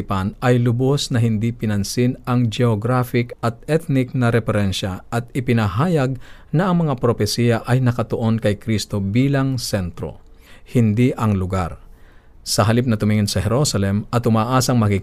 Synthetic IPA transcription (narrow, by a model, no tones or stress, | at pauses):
ɪpanʔɐjlʊbosnɐɦɪnd̪ipɪnɐnsɪnɐŋd͡ʒɛoɡɾafɪkɐt̪̚ɛt̪̚nɪk̚nɐɾɛfɛɾɛnʃɐʔɐt̪̚ɪpɪnɐɦaːjɐɡ̚nɐʔɐŋmɐŋapɾofɛsijɐʔɐjnɐkɐt̪oʔo̞nkɐjkɾist̪obiːlɐŋsɛnt̪ɾo̞̰ | hɪnd̪iʔɐŋlʊɡaɾ | sɐɦɐlip̚nɐt̪ʊmɪŋɪnsɐhɛɾosɐlɛmʔɐt̪ʊmaːʔasɐŋmɐkik